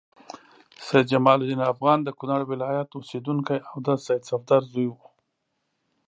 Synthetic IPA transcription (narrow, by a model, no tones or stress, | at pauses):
sajd̪̚d͡ʒamɑlʊd̪inafɣɑnd̪əkʊnaɽwɪlɑjat̪osed̪uŋkajawd̪əsajd̪safd̪ɑɾzujwu